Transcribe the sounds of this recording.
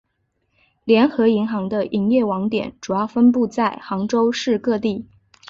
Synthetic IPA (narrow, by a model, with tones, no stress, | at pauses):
ljɛ˧˥nxɤ˧˥i˧˥ŋxɑ˧˥ŋd̪ə˧ʔi˧˥ŋjɛ˥˩wɑ˧˥ŋt̪jɛ̰˨˩˦nʈ͡ʂu˨˩jɑ˥˩ʊfə˥np̬u˥˧t͡sa˥˩ɪxɑ˧˥ŋʈ͡ʂo˥ʊʂɻ̩˥˧kɤ˥˧t̪i˥˩